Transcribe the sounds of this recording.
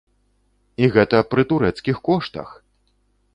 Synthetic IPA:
iɣɛt̪ɐpɾɨt̪uɾɛt̪skʲixkɔʂt̪ɐ̰x

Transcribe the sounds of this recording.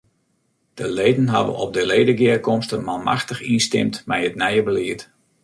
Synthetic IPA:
d̥əlejdənɦa̰və̰nɔ̰p̚dəleːdəɡɪəkɔmstəmalˠmʔa̰xtəxinstɪ̰mtmɛjətnɛjəbəliət

